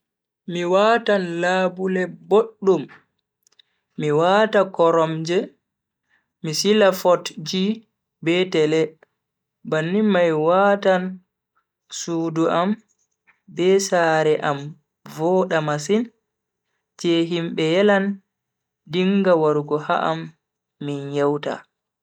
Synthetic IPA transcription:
miwatanlaːbulɛboɗːum | iwatakɔɾɔmd͡ʒɛ | misilafɔtd͡ʒi | bɛtɛlɛ | banːimajwatan | suːduʔam | bɛsaːɾɛʔam | vɔɗamasin | tɛɦimbɛjɛlan | diŋɡawaɾuɡɔha̰ʔa̰mː | injɛwta̰

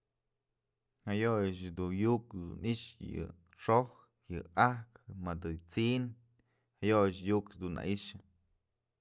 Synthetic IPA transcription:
hajojɨt͡ʃd̪ujukd̪ṵniʔʂjɨ̰ | ʂoh | jɨahkmad̪ɨt͡sin | hajoʔjɨt͡ʃjukd̪unːa̰ʔiʂɨ

